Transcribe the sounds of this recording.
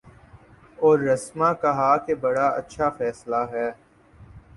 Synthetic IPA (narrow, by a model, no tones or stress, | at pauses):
ɔːɾːɐsmãkɐɦaːkebɐɽaɐ̰tːʃʰafɛːslaɦɛː